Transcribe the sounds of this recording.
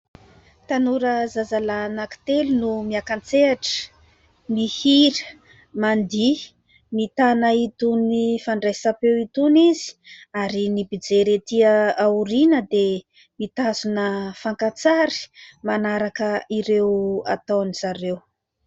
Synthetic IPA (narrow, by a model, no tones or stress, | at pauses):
t̪anuɾəzazalanaki̥t̪elunumiakant͡seaʈ͡ʂə̥ | nihiɾə̥ | mand̪i | mit̪anəit̪unifaɳɖ͡ʐasapewit̪unizi̥aɾinibid͡zeɾet̪iəauɾinəd̪e | mit̪azunəfaŋkat͡saɾi̥manaɾakəiɾewa̰t̪awniz̥aɾew